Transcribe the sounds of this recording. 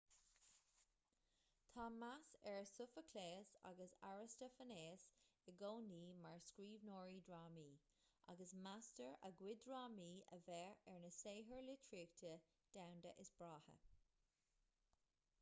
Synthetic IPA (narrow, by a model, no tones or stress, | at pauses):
t̪ʰɑːmasɛɹsʊfəkʰleːsa̰ɡəsa̰ɹɪstəfəneːsɪɡoːniːmaɹskɹiːvnɔːɹidɹaːmiː | ʔa̰ɡəsmastəɹə̰ɡwɪdɹaːmiːə̰vɛɹɛɹnəseːɦəɹlɪtʰɹiːktʰə | d̥awndəʔɪsb̥ɹaːhə̰